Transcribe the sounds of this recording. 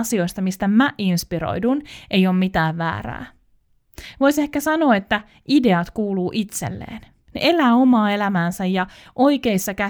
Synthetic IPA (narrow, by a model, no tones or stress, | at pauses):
sio̞jst̪ɑmist̪æmæʔinspiɾo̰jdune̞jo̞ːmmit̪æːʋːæ̰ːɾæ̰ː | ʋo̞jse̞hkæsɑno̞ːet̪ːæ | ide̞ɑt̪kuːluːʔit̪sḛlːḛːn | nḛʔe̞læːo̞mɑːe̞læmæːnsæjjɑ | ʔo̞jke̞isːɑkæ